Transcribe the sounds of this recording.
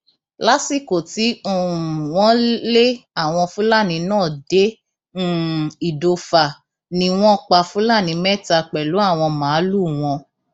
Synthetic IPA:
la˦si˦˨ko˨ti˨˦o˦˨u˨w̃ɔ̃˦le˦a˦˨w̃ɔ̃˧fũ˦la˦˨nĩ˧nãː˦˨de˦ | i˨do˧fa˨ | nĩ˧w̃ɔ̃˦k͡pa˧fũ˦la˦˨nĩ˧mɛ˦ta˧k͡pɛ˨lu˨˦a˦˨w̃ɔ̃˧mã˨˦lu˦˨w̃ɔ̃˧

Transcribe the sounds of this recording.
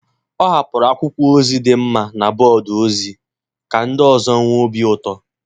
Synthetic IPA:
ɔ˦ɦa˨pʊ˨ɾa˨˦kʷʊ˦kʷu˦o˦zi˦dɪ˨m̩˦ma˨na˨bɔ˨dʊ˨o˦zi˦ | ka˨n̩˦dɔ˨zɔ˦ŋʷ˦o˦bi˦ʊ˦tɔ˦

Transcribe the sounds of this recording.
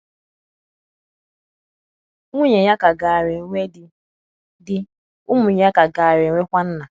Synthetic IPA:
ŋu˦ɲe˨ɲa˦ka˨ɡa˨a˨ɾɪ˨˦ŋʷe˦dɪ˦ | dɪ˦ | ʊ˦mʊ˨ɲ˦a˦ka˨ɡa˨a˨ɾɪ˨ŋʷe˦kʷa˦n̩˦na˨

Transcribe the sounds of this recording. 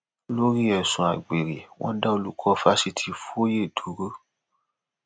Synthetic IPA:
lo˦ɾi˦ɛ˨sũ˨a˨ɡ͡be˨ɾe˨wɔ̰̃˦da˦o˧lu˦kʰɔ˦fa˦si˧tʰi˧˦fo˦je˦˨dʰu˨˦ɾo˦

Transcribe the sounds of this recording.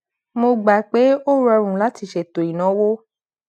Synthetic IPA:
mo˧ɡ͡ba˨k͡pe˨˦o˦ɾɔ˧ɾ̃ũ˨la˨˦ti˧ʃɛ˨to˨i˨nã˨˦wo˦

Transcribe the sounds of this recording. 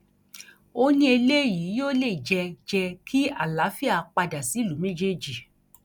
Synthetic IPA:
o˦nĩ˦e˧le˦˨jiː˨˦joː˦le˦˨i˨d͡ʒɛ˧d͡ʒɛ˧kʰi˦a˦˨la˨˦fi˦a˦˧˨k͡pa˧da˨si˨˦˨lu˨˦mẽ˦d͡ʒe˦˨d͡ʒi˨

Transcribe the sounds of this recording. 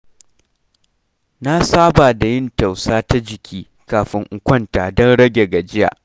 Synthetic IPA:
na˦saː˦baː˨da˨jɪ˦nta˨wsaː˦ta˦d͡ʒɪ˨kʲiː˦ | kaː˨ɸɪ˦ŋʔʊ˨kʷɐ˦ntaː˨dɔ˦nɽɐ˦ɡʲe˨ɡa˨d͡ʒɪ˦ja̰ː˨ʔ

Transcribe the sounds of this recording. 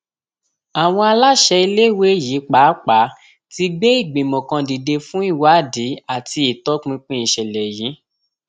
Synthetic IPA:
a˨w̃ɔ̃˧a˧la˦ʃɛ˧i˧le˦˨we˦˨ji˨˦k͡pa˨˦k͡pa˨˦ | ti˧ɡ͡be˦i˦˨ɡ͡bĩ˨mɔ̃˨kã˧di˨de˧fũ˦i˦˨wa˨˦˨di˨˦a˦˨ti˧i˨tɔ˦k͡pĩ˧k͡pĩ˦ĩ˨ʃɛ˨lɛ˨jĩ˨˦

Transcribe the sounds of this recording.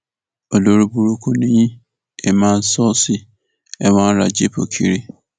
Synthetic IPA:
o˨lo˨ɾu˦bu˦ɾu˦kʰu˦nĩ˦jĩ˦ | e˨mã˦n̩˦sɔ˦sɪ˨ | ɛ˦wã˦ɾa̰˨d͡ʒe˦pʰo̰˨kʰḭ˦˨ɾi˦

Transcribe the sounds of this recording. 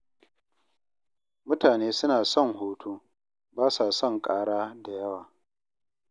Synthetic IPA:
mʊ˦taː˨neː˦sʊ˦naː˨sɔ˦˨ŋhoː˨˦tʰuː˦ | baː˦sa˨sɔ˦˨ŋkʼaː˦ɽaː˦da˨jɐ˦waː˨

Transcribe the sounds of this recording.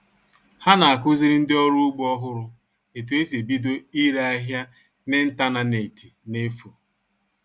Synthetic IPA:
ha˦na˨a˨kʊ˦zi˦ɾɪ˦n̩˦dɪ˦ɔ˦ɾʊ˦ʊ˦ɡ͡bɔ˦ɦʊ˦ɾʊ˨ | e˨t̬u˨e˦se˨bi˦do˦i˦ɾa˦a˦ɦja˦ | ne˦n̩˦ta˦na˦ne˨ti˨ne˦fu˨

